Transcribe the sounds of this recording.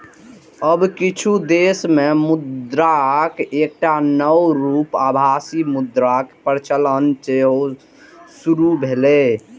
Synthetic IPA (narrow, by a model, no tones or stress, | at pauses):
əbkit͡ʃʰud̪eːsmemʊd̪ɾakeːk̚ʈanəwɾuːpabʱasimʊd̪ɾakpəɾt͡ʃələnt͡ʃeɦo | suɾubʱele